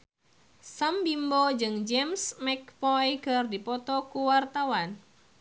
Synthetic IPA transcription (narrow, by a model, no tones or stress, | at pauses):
sambimbod͡ʒɨŋd͡ʒɛmsmɛk̚pɔjkɨrdipɔt̪ɔkuwart̪awan